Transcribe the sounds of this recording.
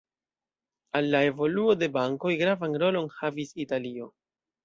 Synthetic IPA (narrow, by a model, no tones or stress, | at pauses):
alːae̞vo̞luo̞de̞baŋko̞jɡɾavanɾo̞lo̞nhavisitalio̞